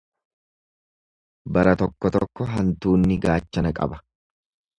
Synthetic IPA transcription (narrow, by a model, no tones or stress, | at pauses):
bɐɾɐt̪ɔkːɔt̪ɔkːɔɦɐnt̪uːnːɪɡaːt͡ʃːɐnɐkʼɐ̰bɐ